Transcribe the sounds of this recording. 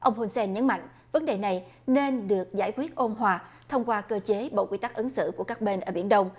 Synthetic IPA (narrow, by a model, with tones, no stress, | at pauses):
ʔə˧wŋ͡mɦo˧nsɛ˧nɲə˨˦nma̰˧˨jŋ̟ | və˨˦nɗe˨˩na˨˩jne˧nɗɨ˨˩ək̚za̰ː˧˩jkwi˦˥ət̚ʔo˧nɦwaː˧˩ | t̪ʰə˧wŋ͡mkwaː˧kəː˧t͡ɕe˨˦ɓo̰˧˨kwi˧t̪a˦˥k̚ʔə˨˦nsɨ̰˧˨ku˧˩əkaː˦˥k̚ɓe˧nʔəː˧˩ɓi˧˩ənɗə˧wŋ͡m